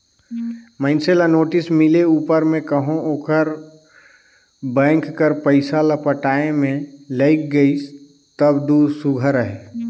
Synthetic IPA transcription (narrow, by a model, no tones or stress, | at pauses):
mə̃ɪnselanoːʈɪsmɪleuːpəɾmẽkəɦõoːkəɾ | bɛ̃ːŋkːəɾpəɪsaləpəʈaːemẽləɪk̚ɡəi | t̪əbd̪uɾsʊɡʱəɾəɦe